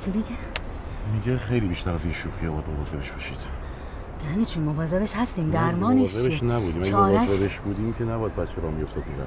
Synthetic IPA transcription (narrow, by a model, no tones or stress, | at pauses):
t͡ʃʰibeɡe | miɟexe̞jliːbiːʃt̪æɾæzinʃuːxijɒbɒjæd̪movɒːze̞beʃbɒʃiːd̪̥ | jænit͡ʃʰimovɒːze̞beʃhæst̪iːmd̪æɾmɒːneʃzebeʃnæbuːd̪iːmææɒoːɾvɒzebeʃbuːd̪iːmcʰenæbɒjæd̪̚bæt̪t͡ʃʰeɾɒːmijo̞ft̪ɒd̪̚miɾæ̰